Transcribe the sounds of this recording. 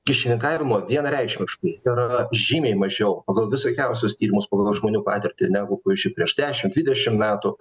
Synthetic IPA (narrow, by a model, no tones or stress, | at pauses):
kʲɪʃʲɪnʲɪŋkɑːʋʲɪmoːʋʲiɛnrʲɛɪkʃʲmʲɪʃkɐɪɪɾʒʲiːmʲɛɪmɐʒʲɛʊpɐɡɐlˠʋʲɪsokʲɛʊsʲʊst̪ʲiːɾʲɪmʊspɐːɡɐlˠʒmoːnʲuːpɑ̰ːt̪ʲɪɾʲt̪ʲɪnʲæːɡʊkʊɪʒʲɪpʲɾʲiɛʒd̪ʲæːʃʲɪmdʲʋʲɪd̪ʲɛʃʲɪmmʲæːt̪ʊ